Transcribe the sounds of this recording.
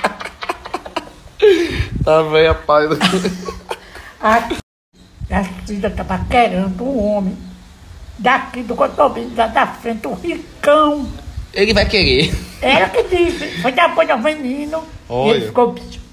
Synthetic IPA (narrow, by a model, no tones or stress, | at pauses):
t̪avẽj̃apajd̪ | a | asĩzɐt̪apakeɾɐ̃d̪ʊũõmẽj̃ | d̪akid̪ʊkot̪obĩd̪ad̪afɾẽnt̪ɪũhikɐ̃w̃elɪvajkeɾeɛukɪd̪isɪfõjd̪apõɲɐ̃vẽnĩnʊoefikopi̥